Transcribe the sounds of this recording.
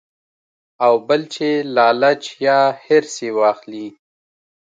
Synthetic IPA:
awbəlt͡ʃʰelɑːlat͡ʃjɑheɾsewɑːxli

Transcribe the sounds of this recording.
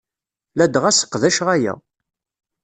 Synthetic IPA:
læd̪ʁæsə̥qːðæʃʁæjæ̰

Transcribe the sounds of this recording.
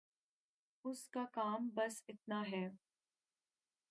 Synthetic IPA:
ʊskakaːmbɐsɪt̪̚naɦɛː

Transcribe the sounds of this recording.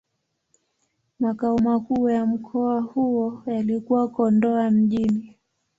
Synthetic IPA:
makaɔmakuːjam̩kʰɔahuɔjalikuwakɔndɔam̩ʄini

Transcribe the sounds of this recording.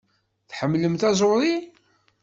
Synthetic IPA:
θħəmːləmθæzˤʊðˤi

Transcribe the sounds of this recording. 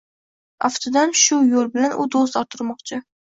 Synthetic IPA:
aft̪ʰod̪amʃʊjolˠbɪlanʔʊd̪os̬t̪ɒt̪ʰʊɾmɒqt͡ʃʰɪ

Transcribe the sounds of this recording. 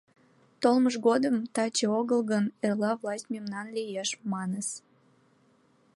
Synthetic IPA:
t̪olməʃɣod̪əmt̪ɑt͡ɕeoɣəlɣənerlɑvlˠɑsʲtʲmʲimnɑnlijeʃmɑnəs

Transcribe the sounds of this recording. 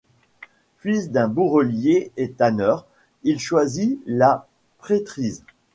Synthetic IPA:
fɥisd̪ɛ̃buʁəljeɛt̪anœʁ | ilʃwazila | pχet̪χiz

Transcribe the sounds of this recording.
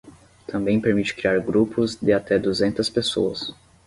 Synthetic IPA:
t̪ʰɐ̃mbẽj̃peɾmit͡ʃɪ̥kɾiaɾɡɾupʊzd̪ɪat̪ɛd̪uzẽnt̪ɐspeso̰ɐs

